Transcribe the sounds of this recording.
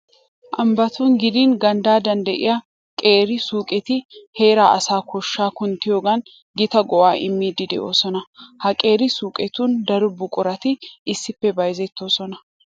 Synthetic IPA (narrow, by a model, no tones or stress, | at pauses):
ʔɐmbɐt̪uːnɡɪd̪iːnɡɐnd̪aːd̪ɐnd̪ɐʔɪ̰ja | kʼe̞ːɾɪsuːkʼɛt̪ɪhe̞ːɾaːʔɐ̰saːkʰɔʃːaːkʊnt̪ɪjoːɡɐn | ɡɪt̪ɐɡɔwaːʔɪ̰mːiːd̪ɪd̪ɛ̰ʔo̞ːsɔnɐhɐkʼe̞ːɾɪsuːkʼɛt̪uːnd̪ɐɾʊbʊkʼʊɾɐt̪ɪɪsːɪpːɛbɐjzɛt̪ːo̞ːsɔnɐ